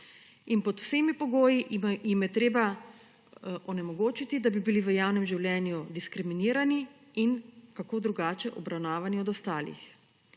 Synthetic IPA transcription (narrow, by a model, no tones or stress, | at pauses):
inpɔt̪w̥semipɔɡoːjijimjɛt̪ɾeːba | ʔɔnɛmɔɡoːt͡ʃit̪id̪abibiliʋəjaːwnɛmʒiwlʲjɛnjud̪iskɾiminiːɾani | inkakoːd̪ɾuɡaːt͡ʃɛʔɔbɾawnaːʋaniɔd̪ɔst̪aːlḭx